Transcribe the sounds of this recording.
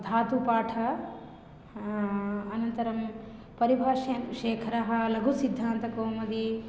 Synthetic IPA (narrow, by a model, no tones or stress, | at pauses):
d̪ʱaːt̪upaːʈʰɐ | ɐnɐnt̪ɐɾɐm | pɐɾibʱaːʃɐnʃeːkʰɐɾɐɦɐ̆lɐɡʱusid̪ʱːaːnt̪ɐkoːmɐd̪i